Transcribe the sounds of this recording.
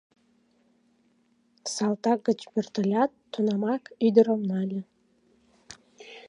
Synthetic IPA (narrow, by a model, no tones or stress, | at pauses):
sɑlˠt̪ɑk̚ɡət͡ɕpert̪əlʲɑt̪ːunɑmɑkyd̪əɾəmnɑlʲə